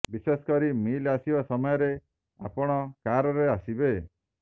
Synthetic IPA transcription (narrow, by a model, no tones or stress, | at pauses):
bisesɔ̥kɔɾimilasibasɔmɔjɔɾe | a̰pɔɽ̃ɔkaɾɔɾeasibe